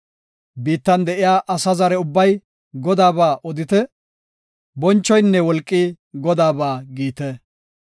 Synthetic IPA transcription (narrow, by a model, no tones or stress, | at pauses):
biːt̪ːɐnd̪ɛʔɪjaːʔɐsɐzɐɾɛʊbːɐj | ɡɔd̪aːbaːʔɔd̪ɪt̪ɛ | bɔnt͡ʃːɔjnːɛwɔlkʼːiː | ɡɔd̪aːbaːɡiːt̪ɛ